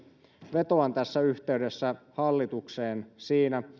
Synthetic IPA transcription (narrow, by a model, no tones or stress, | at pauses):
ʋe̞t̪o̞ɑnt̪æsːæyht̪e̞ydesːæhɑlːit̪ukseːnsiːnæ